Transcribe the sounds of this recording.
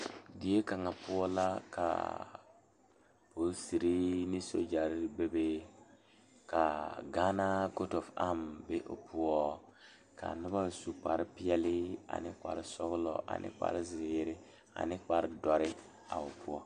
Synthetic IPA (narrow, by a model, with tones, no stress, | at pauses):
di˨e˦ka˨ŋa˨pʊ˦ɔ˦la˦kʰa̰˨ | po˨˦lsi˨ɾi˦nɪ˦so˦d͡ʒa˨ɾbe˦be˦ | ka˨ɡaː˦na˦ko˦to˨fa˦˨mbe˦ʔo̰˨pʰʊ˦ɔ˦ | kʰa̰˨nʊ˦ba˦˨su˨k͡pa˨ɾɪ˦pɪ˦ɛ˦lɪ˦a̰˨nɪ˦k͡pa̰˨ɾɪ˦sɔ˦ɣʊ˦lɔ̰˨ʔa̰˨nʔɪ̰˦k͡pa̰˨ɾɪ˦zɪː˨˦ɾɪ˦ | a̰˨nɪ˦k͡pa˨ɾɪ˦dɔ˨ɾɪ˦ | a̰˨ʊ˨pʊ˦ɔ˦